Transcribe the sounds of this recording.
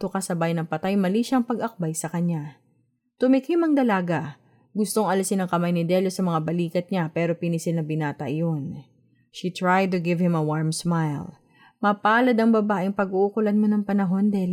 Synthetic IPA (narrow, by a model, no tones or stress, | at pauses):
t̪okɐsɐbajnɐŋpɐt̪ajmɐliʃɐŋpɐɡʔɐk̚bajsɐkɐɲa | t̪ʊmɪkhɪmɐŋd̪ɐlaːɡa | ɡʊst̪o̞ŋʔɐlɪsɪnɐŋkɐmajnɪd̪ɛljosɐmɐŋabɐliːkɐt̪̚ɲapɛːɾo̞pɪnisɪlnɐbɪnaːt̪ɐ̰ʔjo̞n | ʃit̪ɹajd̪̚t̪ʊɡɪvhɪmɐwaɹmsmajl | mɐpaːlɐd̪ɐŋbɐbaːʔɪŋpɐɡuʔʊkʊlɐnmonɐŋpɐnɐɦo̞nd̪ɛl